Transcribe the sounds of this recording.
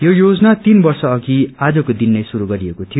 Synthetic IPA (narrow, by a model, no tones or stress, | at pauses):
jojod͡znat̪inbʌrsʌːɡiad͡zʌkod̪inːʌjsuɾuɡʌɾiekot̪ʰijo